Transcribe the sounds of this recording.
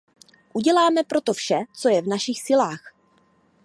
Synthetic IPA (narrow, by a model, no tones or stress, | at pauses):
ʔuɟɛlaːmɛpɾo̞t̪ofʃɛt͡so̞jɛvnaʃixsɪlaːx